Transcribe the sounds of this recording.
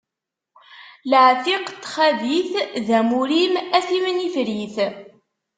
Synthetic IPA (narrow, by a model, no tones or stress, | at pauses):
lʕθiqt̪ːχæðiθðæmuɾimæθimənifɾiθ